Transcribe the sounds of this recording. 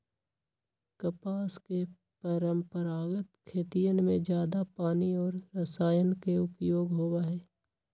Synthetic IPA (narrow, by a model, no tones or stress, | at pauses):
kəpaːske | pəɾə̃mpəɾaːɡət̪kʰeːt̪ijənmẽd͡ʒjaːd̪apaːniɔːɾɾɐsaːjənkeʊpjoːɡɦoːwaɦɛː